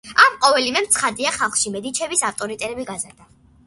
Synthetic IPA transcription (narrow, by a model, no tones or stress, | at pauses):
amqʼɔvɛlimɛmt̪sʰχad̪iaχalˠχʃimɛd̪it͡ʃʰɛbisaft̪ʼɔɾit̪ʼɛɾɛbiɡazaɾd̪a